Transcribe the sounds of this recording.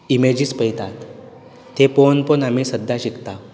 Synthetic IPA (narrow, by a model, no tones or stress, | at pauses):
imed͡ʑiːspəjt̪at̪ː | eponpənam̤isəd̪ʱːjaɕikt̪a